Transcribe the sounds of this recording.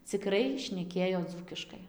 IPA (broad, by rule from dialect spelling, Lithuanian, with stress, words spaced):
t͡sʲɪˈkrɐɪ ʃʲnʲɛˈkʲeːjoː ˈd͡zuːkʲɪʃkɐɪ